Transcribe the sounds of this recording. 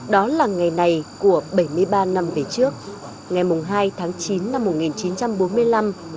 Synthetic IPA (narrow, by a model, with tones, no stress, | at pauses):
ɗɔ˨˦laː˨˩ŋa˨˩jna˨˩jku˧˩əɓə˧˩jmɨ˧əjɓaː˧na˧mve˨˩t͡ɕɨ˦˥ək̚ | ŋa˨˩jmʊ˨˩ŋ͡mɦaː˧jt̪ʰaː˨˦ŋt͡ɕi˨˦nːa˧mːo˨˩t̚ŋi˨˩nt͡ɕi˨˦nt͡ɕa˧mɓo˨˦nmɨ˧əjla˧m